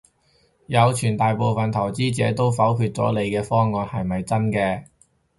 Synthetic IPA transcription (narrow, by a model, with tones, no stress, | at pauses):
jɐ˨˧wt͡ʃʰyː˨˩nt̪aː˨jpo˨˧wfɐ˨nt̪ʰɐ˨˩wt͡siː˥t͡sɛː˨˥t̪o˥wfɐ˨˥wpʰyː˧t̚t͡sɔ̰ː˨˥le˨˧jkɛː˧fɔː˥ŋɔː˨˧nhɐ˨jmɐ˨jt͡sɐ˥nkɛː˧